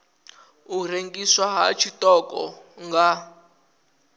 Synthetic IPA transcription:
ureŋɡiswaɦa̰t͡ʃʰitɔkɔ̰ | ŋɡa

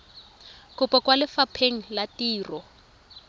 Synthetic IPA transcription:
kʊpɔkwalɪfapʰeŋ̩latiːrɔ

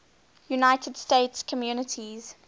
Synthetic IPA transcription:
junaɪtʰədsteɪtskʰɔmjuːnətʰiz̥

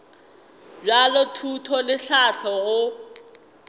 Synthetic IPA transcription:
d͡ʒalɔtʰutʰɔlɪɬaɬʰɔɣʊ

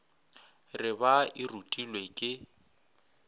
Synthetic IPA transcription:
rɪbaɪrutʼilwekʼɪ

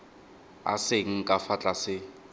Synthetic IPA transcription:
a̰seŋ̩kʼafat͡ɬʼasɪ

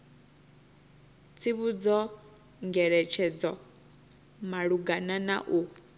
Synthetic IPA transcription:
t͡sʰiβud͡zɔ | ŋɡɛɺɛt͡ʃʰɛd͡zɔ | maɺuɡanana̰ʔu

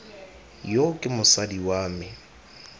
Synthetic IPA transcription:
jokʼɪmʊsadiwaːmɪ

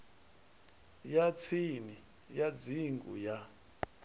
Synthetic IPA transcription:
jat͡sʰini | jad͡ziŋɡṵja

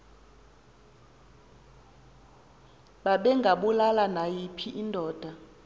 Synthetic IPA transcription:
ɓaɓɛŋɡʱaɓulalanajipʰiʔindʱɔːd̥ʱa

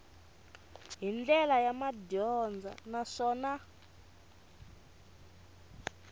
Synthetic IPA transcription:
ɦind͡ɮɛlajamadɔnd͡za̰naʂɔːna

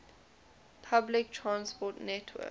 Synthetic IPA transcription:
pʰablɪk̚tʰɹãnspɔtnɛtʰwɛ̰

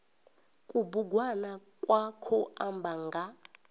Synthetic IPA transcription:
kʼubuɡwanakʼwakʰɔʔambʱaŋɡʱa

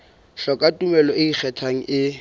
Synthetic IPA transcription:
ɬɔkʼatʼumɛlɔɪik͡xʰɛtʰaŋ̩ʔɪ

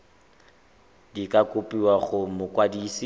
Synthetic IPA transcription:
dikʼakʼʊpʼiwaɣʊmʊkʼwadiːsi

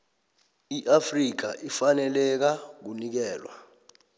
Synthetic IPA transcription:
iʔafrik̬a̰ʔifanɛlɛk̬ak̬unik̬ɛːlwa̰

